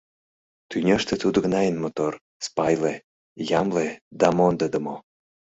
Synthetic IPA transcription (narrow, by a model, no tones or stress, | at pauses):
t̪ynʲeʃt̪ĕt̪ud̪ŏɡnɑjənmot̪or | spɑjle | jɑmled̪ɑmond̪əd̪ə̆mo